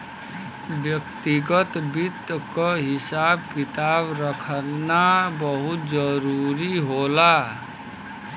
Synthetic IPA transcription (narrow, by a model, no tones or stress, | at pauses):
bjəkt̪iɡət̪bit̪kəɦɪsaːb̚kɪt̪aːbɾəkʰənabəɦʊt̪d͡ʒəɾuɾiɦola